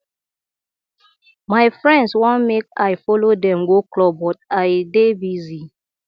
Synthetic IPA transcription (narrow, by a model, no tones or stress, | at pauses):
maɪfɹɛ̃ndswɔ̃nmekaɪfɔlodɛ̃mɡoklɔbɔt̚aɪdebizi